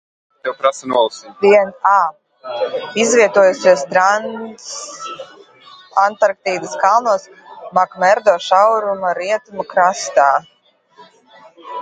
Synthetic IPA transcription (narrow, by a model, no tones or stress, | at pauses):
t̪ɛwpɾasanuɔlˠsid̪iɛnaː | izvʲiɛt̪uɔjusʲiɛst̪ɾans | ant̪aɾk̚t̪iːd̪ɨskalˠnuɔs | makmɛɾd̪ɔːʃawɾumaɾiɛt̪umakɾast̪aː